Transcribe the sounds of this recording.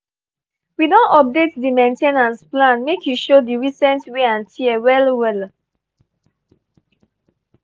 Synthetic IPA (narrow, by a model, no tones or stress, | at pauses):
widɔ̃ntɔp̚detdimẽntenãnsplãnmekʰjuʃodiɹisɛ̃ntweãntʰiɛwɛlwɛl